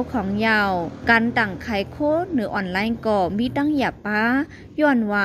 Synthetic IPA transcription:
kʰɔː˨˦ŋja˧˩wkaː˨˦nd̪a˨˩ŋkʰa˧˩˦jkʰoː˧˥˨nɯ˨˦ʔɔː˧˩nlaː˧˥jnkɔː˧˩miː˧˥˨t̪a˧˥˨ŋi˧˨˩pːaː˧˥ | jɔː˧˩nwaː˧

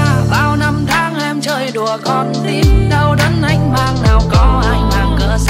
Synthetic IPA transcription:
ɓaː˨˩wna˧mt̪ʰaː˨˦ŋʔɛ˧mt͡ɕəː˧jɗu˨˩əkɔ˨˩nɗi˨˩ɗə˧wɗə˨˦nʔa˨˦jŋ̟maː˧˩ŋnaː˨˩wkɔ˨˦ʔaː˧jmaː˨˩ŋkəː˧˩s

